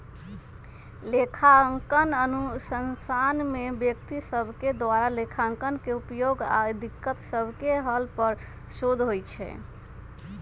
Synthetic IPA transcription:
lekʰaŋkənənusənsanmebjəkt̪isəbʱked̪waɾalekʰaŋkənkeupjoɡa̰d̪ikːət̪səbʱkeɦəlpəɾ | sod̪ʱɦojt͡ʃʰɛ̰

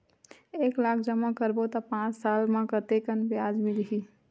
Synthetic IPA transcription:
eːklaːkʰd͡ʒəmakəɾbot̪apãːt͡ʃsaːlmãkət̪ekənbjaːd͡ʒmilɦiː

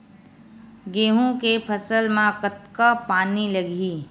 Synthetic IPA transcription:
ɡeːɦũkepʰəsəlmãkət̪kapaːniləɡʱiː

